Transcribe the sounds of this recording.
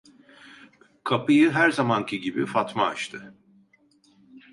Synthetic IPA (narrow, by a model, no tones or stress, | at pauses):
kʰapɯjɯɦæɾzamancʰiɟibifat̪ma̰ːt͡ʃt̪ʰɯ